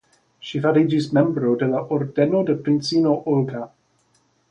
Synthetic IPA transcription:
ʃifaɾid͡ʒismɛmbɾodɛlaʔɔɾdɛnodəpɾɪnsinoʔʊlˠɡa

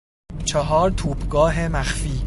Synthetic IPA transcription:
t͡ʃʰeɦɒːɾt̪ʰuːbɡɒːɦemæxfiː

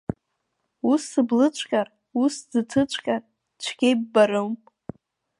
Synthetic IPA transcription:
usɨblɨt͡ʃʷʰʼkʼar | usdɨtʰɨt͡ʃʷʼʰkʲʼar | t͡ʃʷʰɡʲejbbaɾɨwm

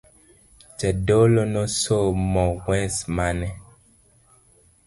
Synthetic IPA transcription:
d͡ʒɛɖolonɔ̃somɔ̃wwɛ̃smanɛ

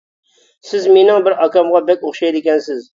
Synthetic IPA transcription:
sɪzmenɪŋbɪɾɑkʲɑmʁɑbɛkʲoχʃɑjd̪ɪkʲɛnsɪz

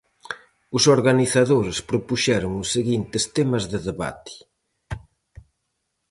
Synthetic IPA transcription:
ʊsoɾɣaniθaðoɾɪspɾopuʃɛɾʊŋʊsːeɣint̪ɪst̪emɐzðɪðeβa̰t̪ɪ̥

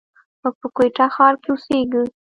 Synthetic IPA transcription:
mʊɡ̚pəkweʈaxɑɾkeʊseɡi

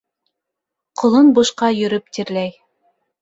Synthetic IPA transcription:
qŏlˠɤnbŭʃqɑjɵ̆ɾɵp̚t̪iɾlæj

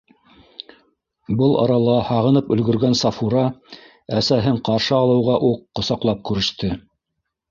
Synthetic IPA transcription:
bɤlˠɑ̰ɾɑlˠɑhɑʁɤ̆nɤpɵ̆lɡɵ̆ɾɡænsɑfuɾɑ | æsæɦɘɴqɑɾʃɤɑlˠɤ̆wʁɑʔuqːŏsɑqlˠɑp̚kʉɾɘ̆ʃt̪ɘ

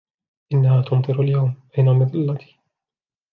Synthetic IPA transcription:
ʔɪnːahaːt̪ʊmt̪ˤɨɾaljawmʔajnamɪðˤɨlːat̪i̥

